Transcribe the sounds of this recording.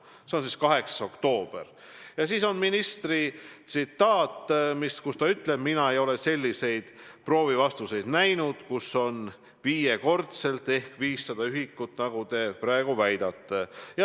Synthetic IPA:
seo̞nsiːskɑɦe̞ksso̞kt̪o̞ːb̥e̞r | jɑsiːso̞nminist̪rit̪sit̪ːˑɑːt̪ːˑmiskust̪ɑyt̪ˑle̞b̥̚minɑe̞jo̞le̞se̞lʲːise̞jd̪̥pro̞ːvivɑst̪use̞jd̪̥næjnud̪̥kuso̞n | viːjeko̞rt̪se̞lt̪ːˑe̞hkviːsːɑd̪̥ɑyɦikːut̪ːˑnɑɡ̥ut̪e̞pɾæeɡ̥uvæjd̪̥ɑt̪ːejɑ

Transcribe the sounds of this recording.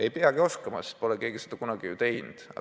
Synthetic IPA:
e̞jpeɑɡ̥io̞skɑmɑ̰si̥t̪po̞lɛke̞ːɡ̥ised̪̥ɑkunɑɡ̥ijut̪e̞jnd̪̥ɑ̰

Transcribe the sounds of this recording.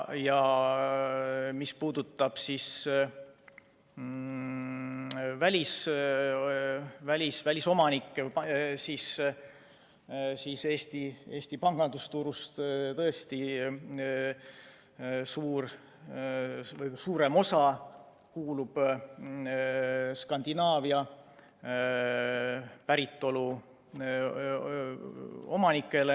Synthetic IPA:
jɑ | mispuːd̪̥ut̪ːˑɑb̥sis | vælʲis | vælʲisvælʲiso̞mɑnikːˑepsis | siːse̞ːst̪ie̞ːst̪ipɑŋɡ̥ɑnd̪̥ust̪uɾust̪t̪ɤest̪i | suːr | vɤjsuːɾe̞mo̞sɑ | kuːlub̥ | skɑnd̪̥inɑːviɑ | pæɾit̪ˑːo̞lu | o̞̰mɑnikːˑe̞le

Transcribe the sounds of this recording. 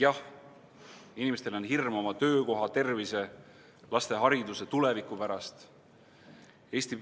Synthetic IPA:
jɑh | inimest̪e̞lo̞nɦirmo̞mɑt̪ø̞ːko̞ɦɑt̪e̞rvise̞ | lɑst̪e̞ɦɑɾid̪uset̪ule̞vikːˑupæɾɑst̪ | e̞ːsʲt̪i

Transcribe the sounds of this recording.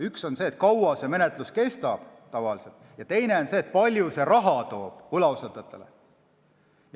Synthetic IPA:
ykso̞nse̞ːt̪kɑwɑse̞me̞net̪ˑluske̞st̪ɑb̥t̪ɑvɑlise̞lt̪ˑjɑt̪e̞jne̞o̞nse̞ːt̪̚pɑlʲjuse̞rɑɦɑt̪o̞ːb̥ulɑwsɑt̪ːˑɑt̪ːˑe̞̰lḛ

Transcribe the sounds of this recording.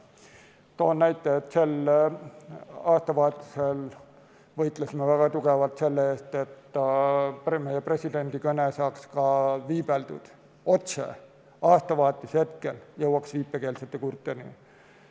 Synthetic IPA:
t̪o̞ːnnæjt̪ˑːeet̪ːˑse̞l | ɑːst̪ɑvɑːt̪ːˑi̥se̞l | vɤjt̪ˑlesimevæɡ̥ɑt̪uɡ̥evɑlt̪se̞lːeeːst̪e̞t̪ː | pme̞jepre̞sʲid̪e̞nʲd̪̥ikɤnesɑːkskɑviːb̥eld̪̥ṵd̪̥ | o̞t̪sḛ | ɑːst̪ɑvɑːt̪ːˑishe̞t̪̚ke̞ljɤwɑksviːpːeke̞ːlset̪ːˑekurt̪ːˑenḭ

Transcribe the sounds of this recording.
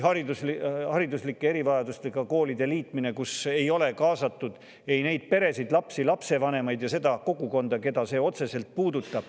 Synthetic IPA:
ɦɑɾid̪uslihɑɾid̪uslikːeeɾivɑjɑd̪ust̪e̞ɡ̥ɑko̞ːlid̪e̞liːt̪ˑmine̞kuse̞jo̞le̞kɑːsɑt̪ːˑud̪̥ | e̞jne̞jd̪̥̚pe̞ɾe̞sid̪̥lɑpsilɑpse̞vɑne̞mɑjd̪jɑse̞d̪̥ɑko̞ɡuko̞nd̪̥ɑke̞d̪̥ɑse̞ːo̞t̪se̞se̞lt̪̚puːd̪ut̪ːˑɑb̥

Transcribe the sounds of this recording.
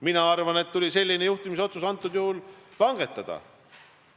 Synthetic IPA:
minɑɑrvɑne̞t̪ːulʲise̞lʲːinejuht̪imiso̞t̪susɑnt̪ːˑud̪̥juhulvɑŋɡ̥et̪ˑːɑd̪̥ɑ̰

